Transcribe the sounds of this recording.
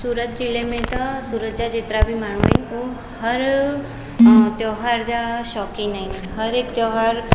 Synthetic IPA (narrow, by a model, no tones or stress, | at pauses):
suːɾət̪̚d͡ʒilemẽt̪əsuɾət̪̚d͡ʒad͡ʒet̪ɾabʱimaɳʋḛnkũ | həɾ | t̪joɦaɾd͡ʒaʃɔkinain | ɦəɾek̚t̪jɔɦaɾ